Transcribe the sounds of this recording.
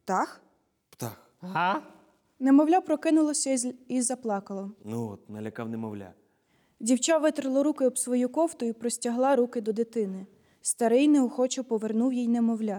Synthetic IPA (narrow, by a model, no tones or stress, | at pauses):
t̪ɑx | pt̪a̰x | ɦɑ | nemɔwlʲapɾɔkɪnʊlˠɔsʲɐizɐplˠɑkɐlˠɔnuɔt̪nɐlʲɐkawnɛmɔwlʲa̰ | dʲiwt͡ʃɑʋɪt̪ɾɪlˠɔɾukɪɔbsʋɔjukɔwt̪ʊipɾɔsʲtʲɐɦlˠɑɾukɪd̪ɔd̪ɪt̪ɪnɪ | st̪ɐɾɪjnɛɔxɔt͡ʃɪwpɔʋernuwjijnɛmɔwlʲa